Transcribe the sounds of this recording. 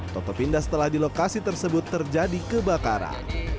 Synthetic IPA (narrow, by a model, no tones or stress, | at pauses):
t̪ɔt̪ɔpindasə̥t̪əlahdilokasit̪ərsəbʊt̪ːərd͡ʒadikəbakaɾa̰